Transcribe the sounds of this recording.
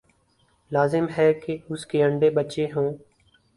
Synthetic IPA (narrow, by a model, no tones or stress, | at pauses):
laːzɪmɦɛːkeʊskeːəɳɖeːbət͡ʃeːɦõː